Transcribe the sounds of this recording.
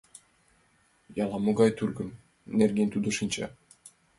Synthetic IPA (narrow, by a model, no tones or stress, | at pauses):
jɑlˠɑmuɡɑjt̪yɾɡɘm | nerɡʲenʲt̪ud̪uʃɯnt͡ɕɑ̰